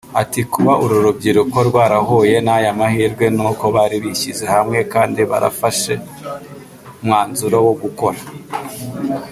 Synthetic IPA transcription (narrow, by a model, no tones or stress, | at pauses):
atikuβaʔuɾuɾubɟiɾuko̞ɾɡwaːɾaho̞je̞najamahiːɾɡwe̞nuko̞βaɾiβiçize̞hamŋe̞kaːndiβa̰ɾa̰faʃe̞ | umŋaːnzuɾowoɡuko̞ɾa